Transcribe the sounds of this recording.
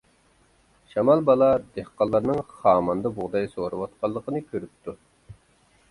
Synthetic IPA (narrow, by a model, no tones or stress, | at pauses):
ʃɑmɑlˠbɑlˠɑd̪ehqɑlˠːɑɾnɨŋχɑːmɑnd̪ɑbuʁd̪ɑjsoɾɨwɑt̪̚qʰɑlˠːəqənɨkʲʰøɾyp̚t̪ʰu